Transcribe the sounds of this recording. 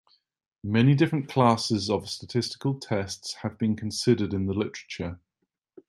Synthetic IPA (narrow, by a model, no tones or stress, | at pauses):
mɛnidɪfɹə̃nkʰl̥ɑˑsɪzəv̥stətʰɪstɪ̥kəlˠtʰɛstshəvbĩnkʰə̃nsɪdədɪ̃nðəlɪtəɹət͡ʃə